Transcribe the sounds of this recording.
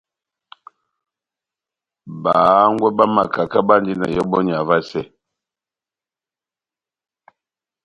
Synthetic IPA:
baː˨˦ŋ˦ɡwɛ˦ba˦ma˨ka˨ka˦ba˦n˦d͡ʒi˦na̰˨jɔ˦bɔ˦ɲ˨a˨va˦sɛ˨

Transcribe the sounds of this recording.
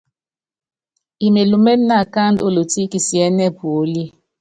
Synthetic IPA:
i˨me˨lu˨mɛ˦n˦na˦˨ka˦ndo˦˨lo˨ti˦ki˨si˨ɛ˨˦nɛ˦bu˨˦li˦

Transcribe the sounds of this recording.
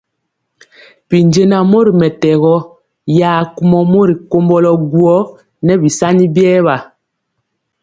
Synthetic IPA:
pi˨nd͡ʒe˦na˨mo˦ɾi˨mɛ˨tɛ˨ɣɔ˦ | jaː˨ku˦mɔ˨mo˦ɾi˨ko˦mbɔ˦lɔ˨ɡu˦ɔ˦ | nɛ˦bi˨sa˦ni˦bjɛː˦βa˨

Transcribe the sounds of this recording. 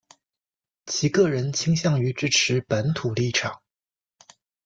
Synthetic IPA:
t͡ɕʰi˧˥kɤ˥˩ɻə˧˥nt͡ɕʰi˥ŋɕjɑ˥˩ŋy˧˥ʈ͡ʂɻ̩˥ʈ͡ʂʰɻ̩˧˥pə˧˥nt̪ʰu˨˩li˥˩ʈ͡ʂʰɑ˨˩˦ŋ

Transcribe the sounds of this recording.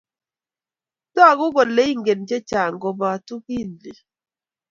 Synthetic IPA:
tɔ˦a˨ɣʊ˦ɣɔ˨le˦i˦ŋɡe˨nd͡ʒɛ˦t͡ʃa˨ŋɡɔ˨ba˨tu˦ki˦˨nli˨

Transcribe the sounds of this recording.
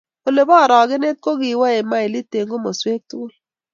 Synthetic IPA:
o˨le˨bɔ˦˨ɾɔ˨ɡɪ˦ne˦t̚ko˦kɪ˨˦wa˦e˨ma˦ɪ˨li˦te˨ŋɡo˦mɔ˨swe˦k̚tʊ˦ʊ˦l

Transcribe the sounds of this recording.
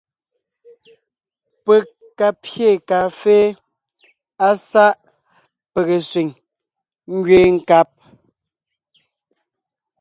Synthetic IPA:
pe˨ | kːa˨pje˦˨ka˨feː˦ | a˦sa˦ʔ | pe˨ɣe˨swi˨ŋ | ŋ̩˦ɡɥeː˦ŋ̩˦˨ka˦p̚

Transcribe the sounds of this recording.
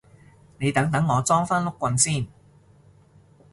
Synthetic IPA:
ne˨˧jt̪ɐ˨˥ŋt̪ɐ˨˥ŋːɔː˨˧t͡sɔː˥ŋfaː˥nlʊ˥kːʷɐ˧nsiː˥˩n

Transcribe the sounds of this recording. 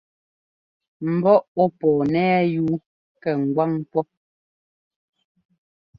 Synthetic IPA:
m̩˨bɔ˦ɔ˦pɔː˨nɛː˦juː˦ | kɛ˨ŋ̩˨ɡwa˦ŋpwɔ˦

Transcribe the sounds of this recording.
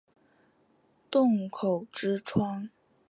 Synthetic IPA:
t̪ʊ˥˩ŋkʰo˨˩ʊʈ͡ʂɻ̩˥ʈ͡ʂʰwɑ˥ŋ

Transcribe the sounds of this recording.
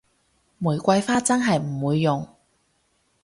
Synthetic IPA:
muː˨˩jkʷɐ˧jfaː˥t͡sɐ˥nɦɐ˨jm̩˨˩wuː˨˧jːʊ˨ŋ

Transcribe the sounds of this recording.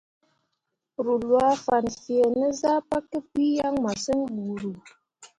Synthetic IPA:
ɾu˨lwa˦fa˨nfi˨e˨nə˦za˦pa˦kə˦pi˦ja˦ŋma˨sə˦nɓu˨ɾu˨

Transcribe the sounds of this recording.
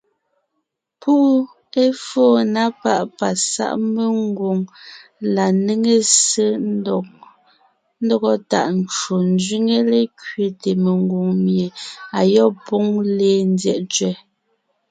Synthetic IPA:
pu˦ | e˦foː˦˨na˦pa˦˨ʔpa˨sa̰˦ʔme˨ŋɡwo˨ŋla˨ne˦ŋe˦se˦˨ | n̩˦dɔ˦ɡɔ˦ta˨ʔn˦t͡ʃo˨n˦d͡ʒɥi˦ŋe˦le˦kɥe˨te˨me˨ŋɡwo˨ŋmje˨a˨jɔ˦˨po˦ŋleː˦˨n˦djɛ̰˨ʔt͡ʃɥɛ˦˨

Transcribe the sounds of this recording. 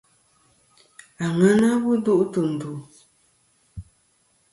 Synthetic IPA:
a˨ŋə˦na˦wu˦du˦ʔtu˨m̩˨bu˨

